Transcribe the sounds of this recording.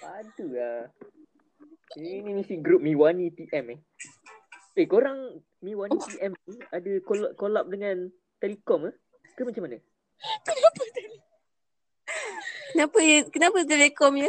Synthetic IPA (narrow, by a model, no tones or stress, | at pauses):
adua | inimisiɡɾup̚mĩwanit̪iʔɛmeh | ʔekoɾaŋ | miwanĩt̪iʔɛmniadəkolaʔkolap̚dəŋãn | t̪ɛlekɔməh | kəmat͡ʃãmana | kənapat̪l | kənapəkənapət̪̬ɛlekɔmjə